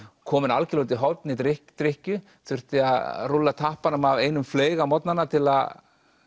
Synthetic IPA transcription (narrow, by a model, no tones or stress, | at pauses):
kʰɔːmɪnalcɪlowt̪̬ɪɦɔwt̪nɪit̪ɾɪht̪ɾɪhcʏ | θʏr̥t̪ɪaðrulːat̪ʰahpanamaveːjnʏmfleːjɣamɔt̪nanːat̪ʰɪlað